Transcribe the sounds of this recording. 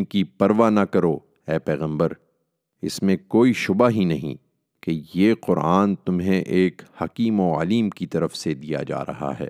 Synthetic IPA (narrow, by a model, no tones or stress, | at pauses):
kipɐɾʋanɐkɐɾo | ɛːpɛːɣə̃mbəɾ | ɪsmẽkoːiʃʊbaɦinɐɦḭ̃ | kejeːqʊɾaːnt̪ʊmɦẽʔeːkhɐkiːmoɐ̰liːmkit̪ɐɾəfsed̪ija̰d͡ʒa̰ːɾɐ̰ɦa̰ɦɛ̰ː